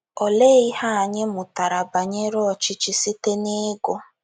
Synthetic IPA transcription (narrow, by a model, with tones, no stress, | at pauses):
ɔ˨le˦i˦ha˦a˨ɲɪ˦mʊ˨ta˨ɾa˨ba˨ɲe˦ɾɔ˦ɔ˨t͡ʃɪ˦t͡ʃi˦si˦te˦ne˦ɡo˦